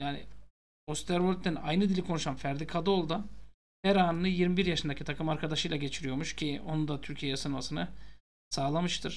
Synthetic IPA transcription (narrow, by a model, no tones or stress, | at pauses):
jaːnḭ | ost̪ʰɛɾvolʲt̪ːæna̰jnɯd̪ilʲikʰo̞nuʃanfæɾd̪ikʰad̪olˠd̪a | hæɾaːnɯnɯjiɾmibiɾjaʃɯnd̪acʰit̪ʰakʰɯmaɾkʰad̪aʃɯjlˠaɟe̞t͡ʃʰiɾijo̞ɾmuʃcʰio̞nund̪at̪ʰyɾcʰijejɛsɯnmasɯnɯ | saːlˠamɯʃt̪ʰɯɾ̥